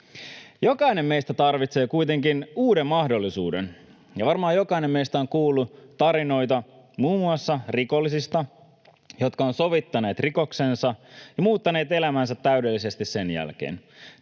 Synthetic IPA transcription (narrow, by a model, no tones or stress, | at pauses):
jo̞kɑine̞mme̞jst̪æt̪ɑrʋit̪se̞ːkujt̪e̞ŋkinuːdemːɑhdo̞lːisṵːdḛn | jɑʋɑrmɑːjo̞kɑine̞mmejst̪æoŋkuːlːˑut̪ɑɾino̞jt̪ɑ | muːmuɑsːɑriko̞lːisist̪ɑ | jo̞t̪kɑonso̞ʋit̪ːɑne̞ːt̪riko̞kse̞nsɑjɑmuːt̪ːɑne̞ːt̪e̞læmænsæt̪ːæyde̞lːise̞st̪isse̞njæ̰lk̟ḛːn